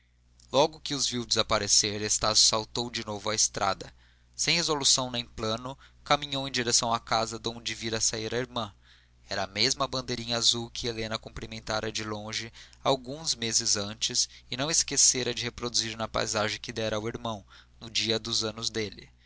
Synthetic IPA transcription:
lɔɡʊkɪʊzviwd͡ʒɪzapaɾeseɾest̪asjʊ̥sawt̪owd͡ʒɪnovʊɐest̪ɾʔa̰d̪ɐ | sẽj̃hezolusɐ̃w̃nẽj̃plɐ̃nʊkamĩɲowẽj̃d͡ʒiɾesɐ̃w̃akazɐd̪õw̃d͡ʒɪviɾɐsaiɾɐiɾmɐ̃ | ɛɾɐamezmɐbɐ̃nd̪ejɾĩɲɐazuwkɪelẽnɐkõplimẽnt̪aɾɐd͡ʒɪlõʒɪawɡũzmezɪzɐ̃nt͡ʃɪsɪnɐ̃w̃ɪskeseɾɐd͡ʒɪhepɾod̪uziɾnɐpa̰jzaʒẽj̃kɪd̪ɛɾɐuwiɾmɐ̃w̃ | nʊd͡ʒiɐd̪ʊzɐ̃nʊzd̪elɪ̰

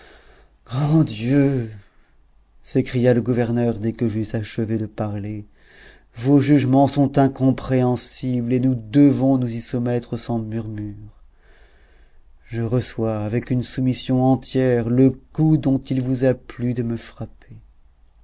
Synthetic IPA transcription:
ɡ̥ʁɑ̃d̪jø | sekχijaləɡuvɛʁnœʁd̪ɛkəʒysaʃəved̪əpaʁle | voʒyʒmɑ̃sɔ̃t̪ɛ̃kɔ̃pχeɑ̃siblenud̪əvɔ̃nuzisumɛt̪χəsɑ̃myʁmyʁ | ʒəʁəswaːvɛkynsumisjɔ̃ɑ̃t̪jɛʁləkud̪ɔ̃t̪ilvuzaplyd̪əməfχape

